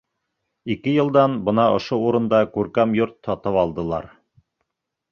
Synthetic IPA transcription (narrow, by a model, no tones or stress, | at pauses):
ikɘjɤ̆lˠd̪ɑnbɤ̆nɑʔŏʃouɾɤ̆nd̪ɑkʉɾkæmjoɾt̪ʰːɑt̪ɤpɑlˠd̪ɤ̆lˠɑ̰ɾ